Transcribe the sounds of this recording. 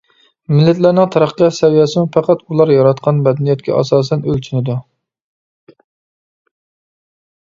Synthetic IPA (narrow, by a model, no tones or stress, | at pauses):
mɪlːɪt̪læɾnɪŋt̪ʰɑɾɑχqːɑsɛwijɛsɪmufɑqæt̪ulˠɑɾjɑɾɑt̪̚qʰɑnbɛd̪ɛnijɛt̪̚kʲʰɛ̰ʔɑ̰sɑːsɛnølt͡ʃʰynɪd̪u